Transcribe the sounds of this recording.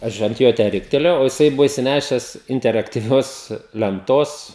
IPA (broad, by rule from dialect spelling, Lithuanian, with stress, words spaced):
ˈɐʃ ɐnt ˈjoː tʲæː ˈrʲɪktʲɛlʲeːjɛʊ oː jɪˈsɐɪ ˈbʊʋoː ɪʃʲsʲɪˈnʲæːʃʲɛs ɪnʲtʲɛrɐktʲiːˈʋʲoːs lʲɛnˈtoːs